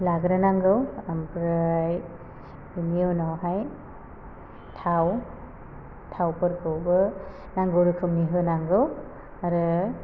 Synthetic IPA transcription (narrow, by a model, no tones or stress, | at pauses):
laɡɾɯnaŋɡɯwampɾaj | biniɯnɔwɦaj | tʰaw | tʰawpɯɾkʰɯwbɯ | naŋɡɯwɾɯkʰɯmniɦɯnaŋɡɯw | aɾɯ